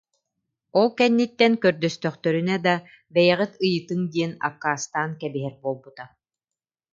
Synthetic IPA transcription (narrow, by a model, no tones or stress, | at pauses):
ɔlˠkɛnːit̪ːɛnkœɾd̪œst̪œχt̪œɾynɛd̪a | bɛjɛʁit̪ɯjɯt̪ɯŋd̪iɛna̰kːaːst̪aːnkɛbiɦɛɾbuɔlˠbut̪a